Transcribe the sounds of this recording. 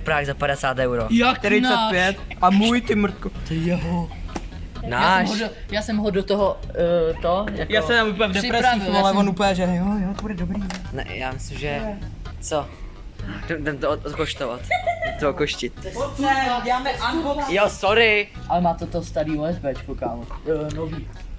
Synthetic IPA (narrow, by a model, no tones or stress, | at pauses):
ɛpɾaɣzapaɾɛsaːt̪ɛwɾojak̪ɛɾinoapjɛt̪ʔamujt̪ɪmɾ̩t̪̚kot̪ɛjɛɦo | najaʃɦodojaːsɛmɦodot̪oɦot̪ojajaːsɛmamuːp̬əɲɛvdɛɾɛɾaialɛvonupɲɛʒɛnjojot̪obudɛdobɾiːnɛ̰ja̰ːmɪsɪmʒɛ | t͡so | dɛmdɛmt̪ot̪koʃt̪ova̰t̪t̪ookoʃcɪt̪ɛaːmɛjosoɾɪ | ʔalɛmaːt̪ot̪ost̪aɾiːoɛzbɛt͡ʃkokaːmonoviː